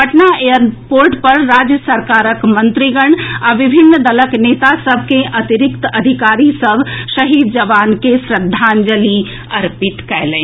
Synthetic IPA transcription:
bɐʈnaejəɾpoːɾʈpɐɾːaːd͡ʒjəsɐɾkaːɾəkmɐ̃nt̪ɾiɡəɽ̃aʋɪbʱɪnːd̪ɐləkneːt̪asɐbʱkeʔɐt̪iɾɪkt̪ɐd̪ʱɪkaːɾisɐbʱʃɐɦiːd̪̚d͡ʒɐʋaːnkesɾɪd̪ʱːaːnd͡ʒəli | ɐɾpɪt̪kɛɦlẽː

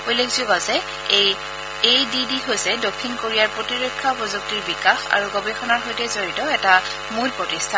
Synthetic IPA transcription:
ojlekzuɡazɛ | ej | ejdidiɦojsɛdokʰːinkoɹijaɹpɹotiɹekʰːapɔzok̚tiɹbikaxa̰ɹuɡobɛxʰɔnaɹɦojtɛzoɹitɔɛta | mulpɹɔtistʰan

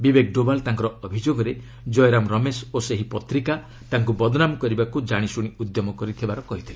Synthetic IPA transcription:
bibek̚ɖobalt̪aŋkɔɾɔɔbʱid͡ʒoɡɔɾe | d͡ʒɔjɾamɾɔmesoseɦipɔt̪ɾika | t̪aŋk̬ubɔd̪ɔnamɔkɔɾibakud͡ʒaɽ̃isuɽ̃iud̪jɔmɔkɔɾit̪ʰibaɾɔkɔɦit̪ʰile

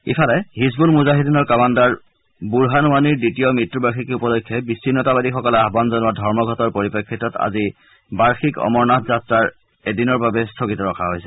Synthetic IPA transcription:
ḭpʰalɛhisbulmuzaɦidinɔɹkɔmandaɹ | buɹɦanwaniɹditiɔmɹitɹubaɹxikupɔlokʰːjɔbisːinːɔtabadixɔkɔlɛaɦbanzɔnʊwadʱɔɹmɔɡʱɔtɔɹpoɹipekʰːitɔta̰zi | baɹxikɔ̰mɔɹnatzatɹaɹ | edinɔɹbabɛstʰokitɔɹɔkʰaɦojsɛ̥

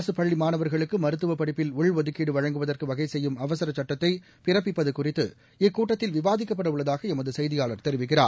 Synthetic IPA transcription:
sɯpɐɭːimaːnɐʋɐɾɣɐɭɯkːɯmɐɾɯt̪ːɯʋɐpːɐɽɪpːɪlʊɭʋɐðɯkːiːɽɯʋɐɻɐŋɡɯʋɐðɐrkɯʋɐɣɐɪsɛjːɯmɐʋɐsɐɾɐt͡ʃːɐʈːɐt̪ːɐɪ | pɪrɐp̬ːɪpːɐðɯkːʊrɪt̪ːɯ̰ | ɪkːuːʈːɐt̪ːɪlʋɪʋaːðɪkːɐpːɐɽɐʋɯɭːɐðaːɣɐɛmɐðɯsɛjðɪjaːɭɐɾt̪ɛɾɪʋɪk̬ːɪra̰ː

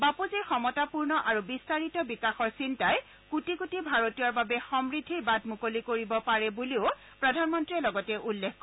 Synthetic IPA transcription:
bapuziɹxɔmɔtapuɹnɔʔaɹubistaɹitɔbikaxɔɹsintaj | kutikutibʱaɹotijaɹbabɛxɔmɹidʱːiɹbadʱmukolikoɹibɔpaɹɛbuliʊ | pɹɔdʱanmɔntɹiɛlɔɡɔtɛʔulːekkɔ

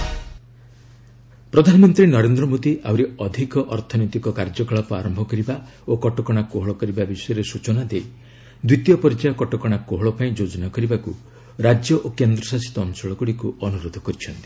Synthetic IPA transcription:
pɾɔd̪ʱanɔmɔnt̪ɾinɔɾend̪ɾɔmod̪iʔawɾeɔd̪ʱikɔʔɔɾt̪ʰɔnojt̪ikɔkaɾd͡ʒɔkɔɭɔpaɾɔmbʱɔkɔɾiba | okɔʈɔkɔɽ̃akoɦɔɭɔkɔɾibabisɔjɔɾesut͡ʃɔnad̪ej | d̪wit̪jɔpɔɾid͡ʒajɔkɔʈɔkɔɽ̃akoɦɔɭɔpaĩd͡ʒod͡ʒɔnakɔɾibaku | ɾad͡ʒjɔʔokend̪ɾɔsasi̥t̪ɔːnsɔɭɔɡuɽikuɔnuɾod̪ʱɔkɔɾit͡ʃʰɔnt̪i̥

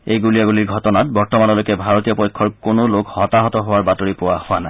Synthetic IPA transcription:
ejɡulijaɡuliɹɡʱɔtɔnat̚bɔɹtɔmanɔlojkɛbʱaɹotijɔpɔjkʰːɔɹkonolokhɔtaɦɔtɔɦowaɹbatoɹipowahowana

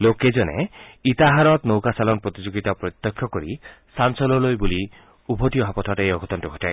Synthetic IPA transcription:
loked͡ʒɔnḛit̪aɦaɾɔt̪nowkasalɔnpɾɔt̪id͡ʒoɡit̪apɾɔt̪ːɔkʰːjɔkɔɾi | sansɔlɔlojbuli | ubʱɔtijɔɦapɔtʰatejɔɡʱɔt̪ɔntɔɡʱɔta

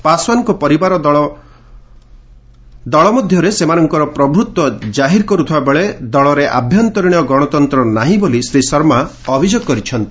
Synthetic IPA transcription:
paswankupɔɾibaɾɔ | d̪ɔɭɔmɔd̪ʱjɔɾesemanɔŋkɔɾɔpɾɔbʱut̪wɔd͡ʒaɦiɾkɔɾut̪ʰibabeɭed̪ɔɭɔɾeʔa̰bʱjɔnt̪ɔɾiɽ̃ɔɡɔɽ̃ɔt̪ɔnt̪ɾɔnaɦĩbolisɾisɔɾma | ɔbʱid͡ʒɔɡ̚kɔɾit͡ʃʰɔnt̪i̥

